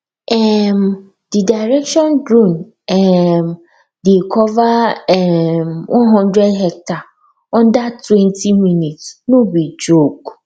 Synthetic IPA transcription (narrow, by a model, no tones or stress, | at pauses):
ɛm | d̥idaɪɾɛkʃɔ̃ndɾũn | ɛm | dekʰɔvaɛmwʔɔ̃nɦɔ̃ndɹɛdɦɛk̚ta | ɔ̃ndatʰwɛ̃ntʰimĩnĩtsnũbid͡ʒok